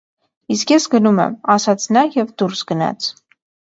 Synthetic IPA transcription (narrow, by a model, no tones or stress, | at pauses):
iskjɛsɡənumɛ̰mɑsɑt͡sʰnɑjɛvd̪uɾsɡənɑ̰t͡sʰ